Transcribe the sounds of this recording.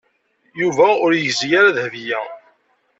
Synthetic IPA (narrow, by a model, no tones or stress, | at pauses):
juvæʊɾjəçzjaɾaðhvijæ